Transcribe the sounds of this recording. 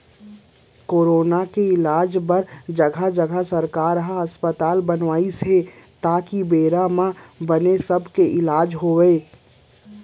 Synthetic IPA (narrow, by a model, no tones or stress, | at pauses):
koːɾoːnakeɪlaːd͡ʒbəɾd͡ʒəɡʱad͡ʒəɡʱasəɾkaːɾɦaəspət̪aːlbənʋaːiset̪aːkibeːɾamãbənesəbʱkeʔɪlaːd͡ʒɦoːʋeː